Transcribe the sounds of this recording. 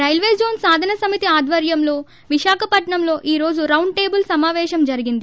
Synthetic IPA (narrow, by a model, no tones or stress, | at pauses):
ɾɐjlʋeːd͡ʒoːnsaːd̪ʱɐnɐsɐmit̪iaːd̪ʱʋɐɾjɐmlo̞ː | ʋiʃaːkʰɐpɐʈɳɐmlo̞ːʔiːɾo̞ːd͡ʒuɾɐwɳɖʈe̞ːbulsɐmaːʋɛːʃɐmd͡ʒɐɾiɡind̪i